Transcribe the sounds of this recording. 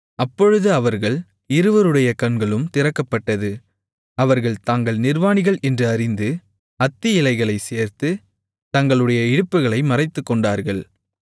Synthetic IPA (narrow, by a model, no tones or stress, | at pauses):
ɐpːɔɻɯðɯɐʋɐɾɣɐɭ | ɪɾɯʋɐɾɯɽɐjɐkɐɳɡɐɭɯmt̪ɪrɐkːɐpːɐʈːɐðɯ | ɐʋɐɾɣɐɭt̪aːŋɡɐɭnɪɾʋaːnɪɣɐɭʔɛndrɯɐɾɪnd̪ɯ | ɐt̪ːɪɪlɐɪɣɐɭɐɪseːɾt̪ɯ | t̪ɐŋɡɐɭɯɽɐjɐɪɽɯpːɯɣɐɭɐɪmɐrɐɪt̪ːɯkːɔɳɖaːɾɣɐɭ